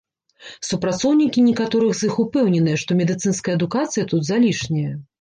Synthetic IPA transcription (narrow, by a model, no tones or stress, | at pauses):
supɾat̪sɔwnʲikʲinʲɛkat̪ɔɾɨɣzɨxupɛwnʲɛnɨjɛʂt̪ɔmʲɛd̪ɨt̪sɨnskɐjɐɐd̪ukat̪sɨjɐt̪ud̪zalʲiʂnʲɛjɐ